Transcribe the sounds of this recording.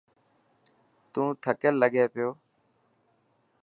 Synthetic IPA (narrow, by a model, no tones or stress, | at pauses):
t̪ũːt̪ʰəkəlːəɠeːpɪjoː